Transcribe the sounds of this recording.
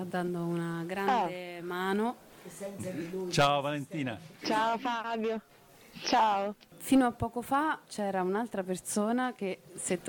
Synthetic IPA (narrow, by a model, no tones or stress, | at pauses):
ad̪ːand̪ounaɡɾandemaːno | ɛut͡ʃaːovalent̪iːnat͡ʃaofabjo | t͡ʃaːo | finoapːɔːkofat͡ʃɛːɾaunalt̪ɾapersoːnak̟eset̪ː